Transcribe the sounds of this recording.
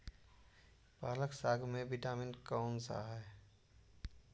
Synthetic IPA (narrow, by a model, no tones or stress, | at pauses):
paːləksaːɡʱmẽʋɪʈaːmɪnkaʊnsa̰ːɦɛ